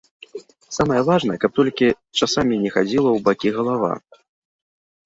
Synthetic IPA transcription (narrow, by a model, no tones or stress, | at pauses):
samɐjɛvaʐnɐkɐp̚t̪ɔlʲkʲi | t͡ʂasamʲinʲɛxad͡zʲilˠɐwbakʲiɣɐlˠava̰